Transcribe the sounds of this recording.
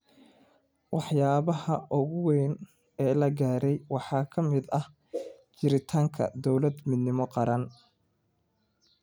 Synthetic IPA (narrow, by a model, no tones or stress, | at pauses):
wɑħjaːβɐhɐʔʊɣʊwɛːn | ɛːlɐɡaːɾɛjwɑħɑːkʰɐmɪd̪ɐh | t͡ʃɪɾɪt̪ʰaːŋkʰɐ̰d̪ɔwlɐd̪mɪd̪nɪmɔqɑɾɐn